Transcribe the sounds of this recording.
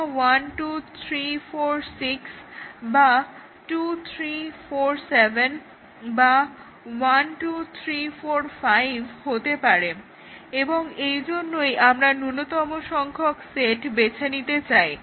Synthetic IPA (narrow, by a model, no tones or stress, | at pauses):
wanʈut̪ʰɾifoɾsiksba | ʈut̪ʰɾifoɾsevʱen | ba | wanʈut̪ʰɾifoɾfajbʱhot̪epaɾe | eboŋejd͡ʑonːojʔamɾanunot̪ɔmoʃɔŋkʰokseʈbet͡ɕʰenit̪et͡ɕaj